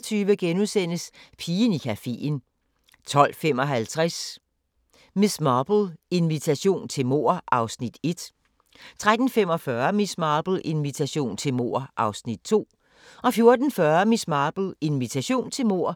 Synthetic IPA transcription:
t͡sʰyːʋəɡ̥enusen̰əspʰiːnikʰæfḛn | t͡sʰɒ̽l̰fem̰ɒ̽ɦælt͡sʰʁas | mismɑːb̥l̩e̝nʋit͡sʰæɕo̝̰ːnt͡sʰe̝lmo̝̰ːɐ̰ʔɑ̈ʊsnid̥e̝d̥ | t͡sʰʁad̥n̩fem̰ɒ̽fɶɐmismɑ̈ːb̥l̩ʔe̝nʋit͡sʰæɕo̝̰ːnt͡sʰe̝lmo̝̰ɐ̰ʔɑ̈ʊsnid̥̚t͡sʰo̝̰ː | ʔɒ̽fjo̝ɐd̥n̩fɶɐmismɑ̈ːb̥l̩e̝nʋit͡sʰæɕo̝̰ːnt͡sʰe̝lmo̝ɐ̰

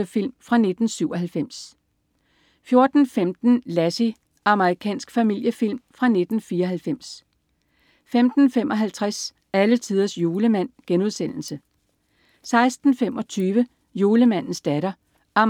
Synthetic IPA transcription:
əfil̰mfʁɑ̈ne̝d̥n̩syʊ̰ɒ̽ɦælfem̰s | fjo̝ɐd̥n̩femd̥n̩læsi | ʔɑ̈məʁikʰɛ̰ːnsɡ̥fæmil̰jəfil̰mfʁɑ̈ne̝d̥n̩fiːɐɦælfem̰s | femd̥n̩femʔɒ̽ɦælt͡sʰʁas | ælət͡sʰið̞ˠɐsjo̝ːləmæn̰ɡ̥enuð̞ˠsen̰l̩sə | sɑ̈ɪsd̥n̩femɒ̽t͡sʰyːʋə | jo̝ːləmæn̰n̩sd̥æɾ̥ɐ | ʔɑm

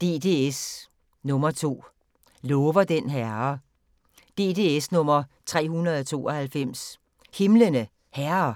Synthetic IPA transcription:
d̥e̝d̥e̝es | nɔ̽mɐt͡sʰo̝̰ː | lɔ̽ːʋɐd̥enɦæɐ | d̥e̝d̥e̝esnɔ̽mɐt͡sʰʁɛ̰ːhunɐð̞ˠɒt͡sʰo̝̰ːɐhælfem̰s | he̝mlənə | hæɐɐ

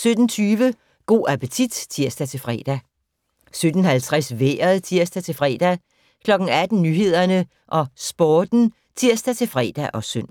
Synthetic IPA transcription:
sød̥n̩t͡sʰyːʋə | ɡ̥o̝̰ːʔæpət͡sʰid̥t͡sʰiɐ̰sd̥æt͡sʰe̝lfʁɛ̰ːd̥æ | sød̥n̩hælt͡sʰʁasʋḛːɐð̩ˠt͡sʰiɐsd̥æt͡sʰe̝lfʁɛ̰ːd̥æ | kʰlɒ̽ɡ̥n̩æd̥n̩nyːɦe̝ð̞̰ˠɐnə | ʔɒ̽sb̥ɒːd̥n̩ | t͡sʰiɐ̰sd̥æt͡sʰe̝fʁɛ̰ːd̥æʔɒ̽søn̰

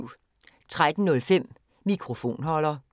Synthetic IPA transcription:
ʊ | t͡sʰʁad̥n̩nɔ̽lfem̰ | mikʰʁo̝fo̝̰ːnɦɒ̽lɐ

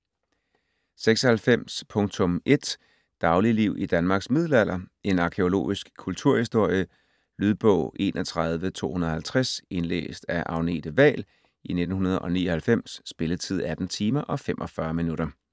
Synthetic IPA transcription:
seɡ̥sɒ̽hælfem̰spʰɔ̽ŋt͡sʰɔ̽mʔe̝d̥ | d̥ɑ̈ʊliliʊ̰ʔid̥ænmɑ̈ːɡ̥smið̞ˠl̩æl̰ɐe̝nɑ̈kʰeo̝lo̝̰ːisɡ̥kʰːult͡sʰuɐ̰hisd̥o̝ɐ̰jə | lyð̞ˠb̥ɔ̰ʊ̰ʔe̝̰ːnʔɒt͡sʰʁɑð̞ˠʋət͡sʰo̝̰ːhunɐð̩ˠhælt͡sʰʁæse̝nlḛːsd̥æʔɑ̈ʊne̝̰ːd̥əʋɛ̰ːl | ine̝d̥n̩ɦunɐð̞ˠʔɒ̽nḭːɒhælfem̰sːb̥e̝lət͡sʰið̞̰ˠæd̥n̩t͡sʰiːmɐʔɒ̽femʔɒ̽fɶɐminuɾɐ

